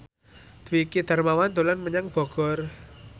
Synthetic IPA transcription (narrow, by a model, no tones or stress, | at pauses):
d̪̥wikid̪̥a̤rmawand̪olanməɲaŋb̥ɔ̤ɡ̥ɔ̤r